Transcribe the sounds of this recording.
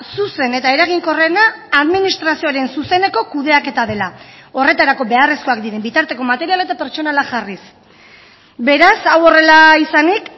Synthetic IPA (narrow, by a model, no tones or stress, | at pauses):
suse̞ne̞t̪ae̞ɾaɣiŋko̞re̞naːðminist̪ɾasioaɾe̞nsuse̞ne̞ko̞kuð̞e̞ake̞t̪aðe̞lao̞re̞t̪aɾako̞be̞aresko̞akd̪iɾe̞mbit̪aɾt̪e̞komat̪e̞ɾialae̞t̪ape̞ɾt͡ʃo̞nalaʝaris | be̞ɾasawo̞re̞laisanik